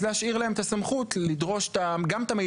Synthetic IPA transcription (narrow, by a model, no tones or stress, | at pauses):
zehaʃiʁlae̞mt̪asamχut̪llid̪ʁo̞ʃe̥t̪aɡamet̪ame